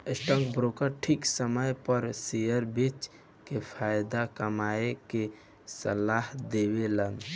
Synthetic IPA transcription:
ɪsʈɔ̃ŋkbɾokəɾʈʰiksəməjpəɾsijəɾbɪt͡ʃ | kepʰaːjd̪akɐmaːeke | səlaːɦd̪eːwelən

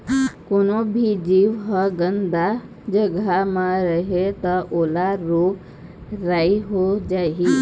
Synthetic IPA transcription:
konobʱid͡ʒiʋɦəɡənd̪a | d͡ʒəɡʱamãɾəɦet̪əʔolaɾo | ɾaiɦod͡ʒaɦi

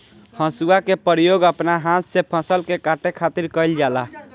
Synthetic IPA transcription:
hə̃suakepəɾjoɡəpnaɦãt̪sepʰəsəlkekaʈekʰat̪iɾkəjld͡ʒala

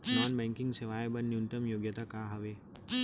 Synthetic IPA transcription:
nɔːnbɛ̃ːŋkɪ̃ŋɡseʋaːjbɐnnjunʈ̪əmjoːɡjət̪akaːɦɐʋeː

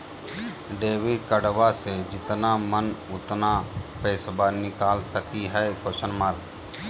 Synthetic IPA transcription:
ɖeːʋikəɽʋased͡ʒɪt̪namənʊt̪napɛːsbaɾnɪkaːlsəkiɦɛːkot͡ʃənmaːɾ

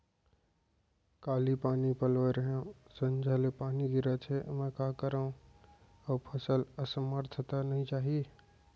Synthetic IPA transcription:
kaːlipaːnipəlʋeɾəɦãsə̃nd͡ʒʱalepaːniɡ̪iɾat͡ʃʰemẽkaːkəɾã | əpʰəsələsəməɾt̪ʰət̪anəɦĩt͡ʃaːɦie

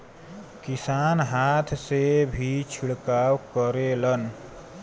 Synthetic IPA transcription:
kisanɦat̪ʰsebʱit͡ʃʰiɭkawkəɾelʌn

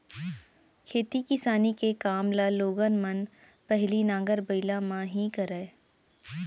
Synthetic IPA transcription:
kʰeːt̪ikɪsaːnikekaːmlaloːɡənmən | pɛɦlinãːŋɡəɾbəɪlamãɦĩkɐɾɛː

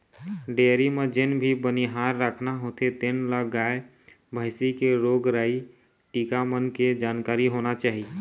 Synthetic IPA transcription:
ɖeɾimed͡ʒenbʱibəniɦaɾːakʰnaɦot̪ʰet̪enləɡae | bʱəɪsikeɾoɡɾai | ʈikamənked͡ʒankaɾiɦonat͡ʃaɦi

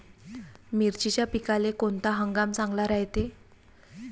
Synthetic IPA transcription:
miɾt͡ɕit͡ɕjapikalekont̪aɦəŋɡamt͡sãŋɡlaɾaɦjt̪e

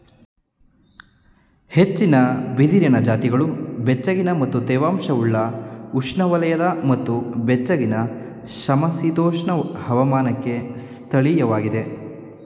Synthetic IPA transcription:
he̞t͡ʃːinɐbid̪iɾjɐnɐd͡ʒaːt̪iɡɐɭubɛt͡ʃːɐɡinɐmɐt̪ːud̪ɛːʋaːmʂɐuɭːɐuʂɳɐʋɐlɐjɐd̪ɐmɐt̪ːubɛt͡ʃːɐɡinɐ | ʃɐmɐsid̪oːʂɳɐhɐʋɐmaːnɐkːe̞st̪ʰɐɭijɐʋaːɡid̪e̞

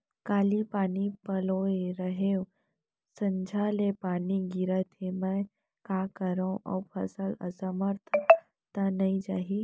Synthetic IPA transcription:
kaːlipaːnipəloeɾəɦew | sə̃ɲd͡ʒʱalepaːniɡiɾət̪ʰemə̃ | kakəɾõʔɔ̰pʰə̰sələ̰səməɾt̪ʰə | t̪anəid͡ʒaːɦi

